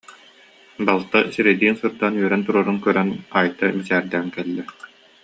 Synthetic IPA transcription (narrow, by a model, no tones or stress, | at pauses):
balˠt̪asiɾɛd̪iːnsɯɾd̪aːnyœɾɛnt̪uɾɔɾunkœɾɛnaːjt̪amisæːɾd̪æːŋkɛlːɛ